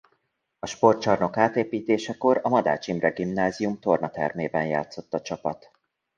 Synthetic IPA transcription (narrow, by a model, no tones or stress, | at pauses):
ɒʃpo̞rt͡ʃɒrno̞kaːt̪eːpiːt̪eːʃɛko̞ɾɒmɒd̪a̰ːt͡ʃimrɛɡimnaːzijumt̪o̞rnɒt̪ɛ̰rmeːbɛnja̰ːt̪so̞t̪ːɒt͡ʃɒpɒt̪